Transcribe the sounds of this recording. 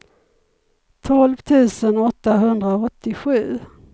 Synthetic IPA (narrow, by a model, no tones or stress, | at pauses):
t̪ʰɔlvt̪ʰʉ̟ːsənɔt̪ːaɦɵnd̪ɾaɔt̪ːɪɧʉ̟ː